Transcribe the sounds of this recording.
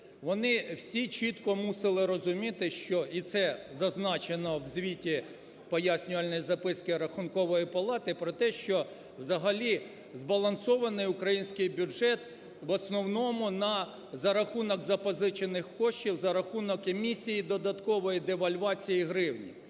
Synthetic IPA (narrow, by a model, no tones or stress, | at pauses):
ʋɔnɪwsʲit͡ʃit̪kɔmusɪlˠɪɾɔzʊmʲit̪ɪʃt͡ʃɔʔit̪sɛzɐznɑt͡ʃenɔwzʲʋʲitʲi | pɔjasʲnʲʊʋɐlʲnɔjizɐpɪskɪɾɐxʊnkɔʋɔjipɐlˠɑt̪ɪpɾɔt̪ɛʃt͡ʃɔ | wzɐɦɐlʲi | zbɐlˠɐnsɔʋɐnɪjʊkɾɐjinʲsʲkɪjbʲuɛt̪ | ʋɔsnɔwnɔmʊnɐ | zɐɾɐxunɔɡzɐpɔzɪt͡ʃenɪxkɔʃt͡ʃʲiwzɐɾɐxunɔkemʲisʲijid̪ɔd̪ɐt̪kɔʋɔjid̪eʋɐlʲʋɑt͡sʲijiɦɾɪwnʲḭ